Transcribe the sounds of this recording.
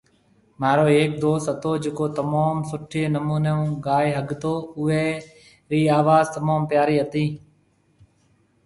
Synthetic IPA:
maːɾoːeːk̚d̪oːsət̪oːd͡ʒɪkoːt̪əmaːmsʊʈʰeːnəmuːneõːɡaːeɦəɡt̪oːʊeː | ɾiːaːʋaːzt̪əmaːmpjaːɾiːət̪iː

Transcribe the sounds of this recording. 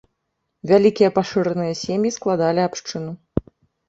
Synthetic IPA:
vʲalʲikʲijɐpaʂɨɾɐnɨjɐsʲemjisklˠad̪alʲiapʂt͡ʂɨnu

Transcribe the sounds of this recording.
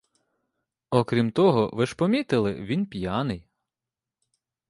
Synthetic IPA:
ɔkɾʲimt̪ɔɦɔʋɪʃpɔmʲit̪ɪlˠɪ̰ʋʲinpʲjɑnɪj

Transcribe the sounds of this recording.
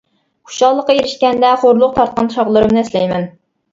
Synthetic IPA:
u̥ʃɑlˠːəqːɑjeɾɪʃkʲɛnd̪ɛχoɾlˠʊq̚t̪ʰɑɾt̪̚qɑnʃɑʁlˠɨɾɨmnɨslɛjmɛn

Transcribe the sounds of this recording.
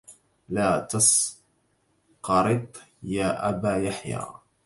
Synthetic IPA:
laːt̪ɑs | qɑɾɨt̪ˤjaːʔabaːjaħja̰ː

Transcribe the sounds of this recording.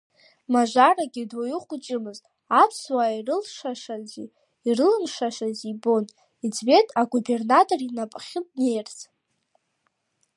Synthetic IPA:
maʒʷaraɡʲidojɪχʷʊt͡ʃʼɪmɨz | apʰswaːirɨlʂaʂazi | irɨlɨmʂaʃazibo̞n | id͡zbe̞tʰʼaɡube̞rnatʼo̞rinapʼχʲɪtnejrt͡sʼ

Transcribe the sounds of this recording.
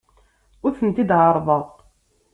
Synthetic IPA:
ʊɾθənt̪id̪ʕəɾˤðˤəðˤ

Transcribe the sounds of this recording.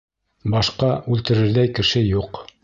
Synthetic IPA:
bɑʃqɑʉlt̪ɘ̆ɾɘ̆ɾðæjkɘ̆ʃɘjuq

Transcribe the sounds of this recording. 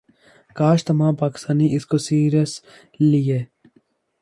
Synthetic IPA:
kaːʃt̪ɐmãːpɐksɐniʔiskosiːɾes | lije

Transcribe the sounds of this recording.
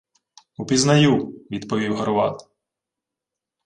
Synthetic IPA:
upʲiznɐjuʋʲid̪pɔʋʲiwɦɐɾʊʋɑ̰t̪

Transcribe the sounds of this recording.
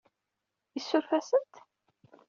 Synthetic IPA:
jisːʊɾfæsənt̪

